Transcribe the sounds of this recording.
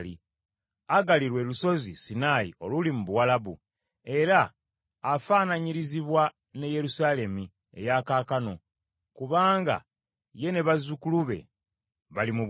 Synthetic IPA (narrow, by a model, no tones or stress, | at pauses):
lḭ | aɡaliɾwe̞luso̞zisinajḭʔo̞lulimuβuwalaβu | e̞ɾaː | faːnaɲiɾiziβwa | neje̞ɾusaːle̞mi | e̞̰jakaːkano̞ | kuβaːŋɡa̰ | je̞ne̞βazukuluβe̞̰ | βalimu